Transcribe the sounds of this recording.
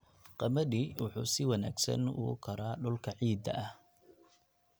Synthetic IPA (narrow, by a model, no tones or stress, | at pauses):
qɑmɐðiwʊħṵːsɪwɐna̰ːɡsɐ̰nʊ̰kʰɐɾaːɖʊlkʰɐʕiːd̪ɐ̰ʔɐh